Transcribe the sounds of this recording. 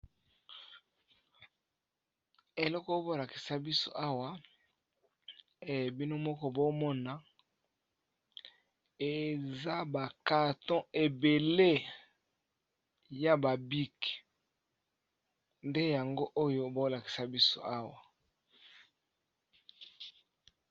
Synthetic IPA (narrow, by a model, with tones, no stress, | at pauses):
e˨lɔ˦kbo˦˨la˨ki̥˨sa˦bi˦so̰˦ʔa˦wa˨ | e˨bi˦no˦mɔ˦kɔ˦bo˦mɔ˦na˨ | e˨za˦ba˨ka˨tɔ̃˦ʔe˨be˨le˦ | ja˨ba˨bi˦k | nde˦ja˨ŋɡo˦ʔo˦jo˦bo˦la˨ki̥˨sa˦bi˦so̰˦a˦wa˨